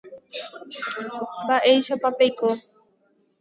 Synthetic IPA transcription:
baʔejʃapapejko

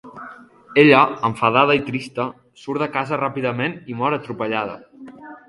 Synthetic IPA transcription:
eʎəəɱfəð̞aðəit̪ɾist̪ə | suɾðəkazərapiðəmenimɔɾət̪ɾupəʎað̞ə̰

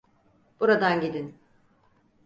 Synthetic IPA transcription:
b̥uɾad̪anɟid̪in

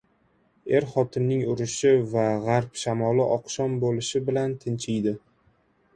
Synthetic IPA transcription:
e̞ɾχɒt̪ʰɪnnɪŋʊɾɪʃɪvaʁaɾpʃamɒlɪʔɒqʃɒnbolɪʃɪbɪlant̪ʰɪnt͡ʃʰɪjd̪ɪ

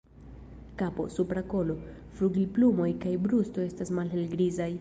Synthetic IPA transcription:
kapo̞̰supɾako̞lo̞ | fɾuɡilplumo̞jkajbɾusto̞e̞stasmalɦe̞lɡɾizaj

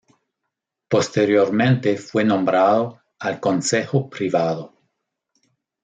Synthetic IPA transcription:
post̪eɾjoɾmẽnt̪efwenõmbɾaðo | alkonsexopɾiβaðo

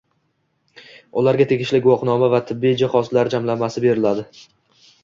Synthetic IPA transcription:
ʊlaɾɡʲat̪ʰe̞ɡʲɪʃlɪɡʊwɒqnɒmavat̪ʰɪbːijd͡ʒɪχɒzlaɾd͡ʒamlamːasɪbe̞ɾɪlad̪ɪ

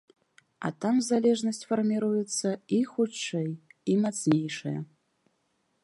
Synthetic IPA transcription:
a̰tʰamzalʲe̞ʐnɐsʲtʲfɐrmʲiɾujɛt͡sʰːɐixuʈ͡ʂʰːejimat͡sʰnʲe̞jʂɐ̰jɐ̰

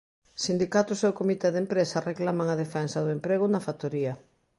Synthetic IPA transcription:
sind̪ikat̪ʊsewkomit̪ɛðempɾesɐreklamaŋɐðefɛnsɐðʊempɾeɣ̞ʊnɐfat̪oɾiɐ

